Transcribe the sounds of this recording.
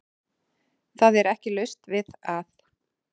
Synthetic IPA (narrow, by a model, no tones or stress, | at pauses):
θaðɛɾɛhcɪlœɥst̪vɪðaθ